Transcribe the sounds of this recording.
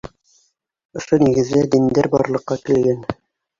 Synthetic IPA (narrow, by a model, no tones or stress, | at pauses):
ŏʃoniɡɘ̆ðːæd̪ind̪æɾbɑ̰ɾlˠɤ̆qːɑkɘ̆lɡæn